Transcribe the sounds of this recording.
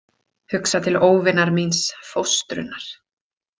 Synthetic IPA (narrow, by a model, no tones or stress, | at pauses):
hʏksat̪ʰɪloːwvɪnaɾminsfowst̪ɾʏ̰nːaɾ̥